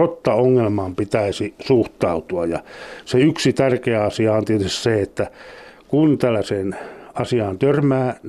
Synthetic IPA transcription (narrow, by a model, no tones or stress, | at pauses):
ot̪ːɑoŋːelmɑːmpit̪æisisuht̪ɑut̪uɑjjɑ̰seyksit̪ærkeæɑsiɑɑnt̪iet̪yssseet̪ːækunt̪ælːæseːnɑsiɑːnt̪ørmæː